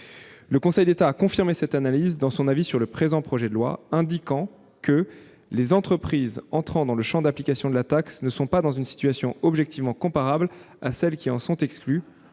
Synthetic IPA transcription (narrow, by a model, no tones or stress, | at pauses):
ləkɔ̃sɛjd̪et̪aːkɔ̃fiʁmesɛt̪analizd̪ɑ̃sɔ̃navisyʁləpχezɑ̃pχɔʒɛd̪əlwa̰ɛ̃d̪ikɑ̃ | kə | lezɑ̃t̪χəpχizɑ̃t̪χɑ̃d̪ɑ̃ləʃɑ̃d̪aplikasjɔ̃d̪əlat̪aksnəsɔ̃pad̪ɑ̃zynsi̥t̪ɥasjɔ̃ɔbʒɛk̚t̪ʰivmɑ̃kɔ̃paʁabl | asɛlkʲiɑ̃sɔ̃t̪ɛkskly